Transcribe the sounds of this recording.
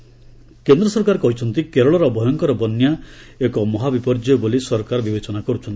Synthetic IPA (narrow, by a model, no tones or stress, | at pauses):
kend̪ɾɔsɔɾkaɾkɔɦit͡ʃʰɔnt̪ikeɾɔɭɔɾɔbʱɔjɔŋkɔɾɔbɔnja | ekɔmɔɦabipɔɾd͡ʒɔjobolisɔɾkaɾɔbibet͡ʃɔnakɔɾut͡ʃʰɔnt̪i̥